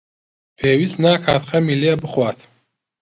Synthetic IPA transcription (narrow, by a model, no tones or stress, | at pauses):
pʰeːwisnaːkʰaːt̪χamiliabəχwaːt̪ʰ